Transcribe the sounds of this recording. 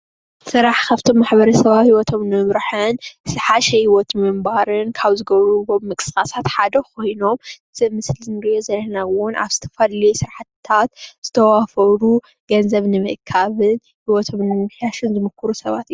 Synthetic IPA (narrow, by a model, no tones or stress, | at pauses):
sɨɾaħkʰaβt̪ʰo̞mːaħbɐɾɐsɐβahiwɔt̪ʰo̞mnɨmɨmɾɨħɨnsɨħaʃɛhiwɔt̪mɨmbaɾɨnkʰaβzɨɡɐβɾuβommɨkʼɨ̥skʼasat̪ħad̪ɐkʰo̞jno̞m | z̥ɨmɨslzɨnɨɾɨjozɐlːɐnawʊnʔa̰βz̥ɨt̪ʰɐ̥fɐlijsɨɾħt̪ʰːat̪z̥ɨt̪ʰɐwafɐɾu | ɡ̥ɐnzɐβnɨmɨʔkʰaβɨn | hiwɔt̪ʰo̞mnɨmɨmɨħjaʃɨnzɨmɨkʰːɨɾusɐβat̪ijːu